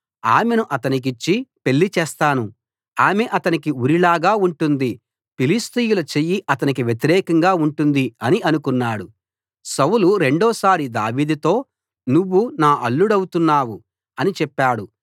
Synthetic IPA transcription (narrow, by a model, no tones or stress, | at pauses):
aːme̞nuʔɐt̪ɐnik̬it͡ʃːipe̞lːit͡ʃɛːst̪aːnu | aːme̞ʔɐt̪ɐnikiuɾilaːɡaːuɳʈund̪i | pilist̪ijulɐt͡ʃejːiʔɐt̪ɐnik̬iʋjet̪̬iɾɛːkɐŋɡaːuɳʈund̪iɐniɐnukunːaːɽu | sɐwuluɾe̞ɳɖɔːsaːɾid̪aːʋiːd̪it̪o̞ː | nuʋːunaːʔɐɭːuɽɐwut̪unːaːwu | ɐnit͡ʃɛpːaːɽu